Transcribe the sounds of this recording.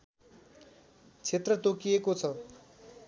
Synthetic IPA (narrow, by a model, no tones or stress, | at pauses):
t͡sʰet̪rʌt̪okijekot͡sʰʌ